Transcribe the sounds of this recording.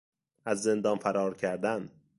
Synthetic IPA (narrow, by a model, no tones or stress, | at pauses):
æzːe̞nd̪ɒːnfæɾɒːɾcʰæɾd̪æn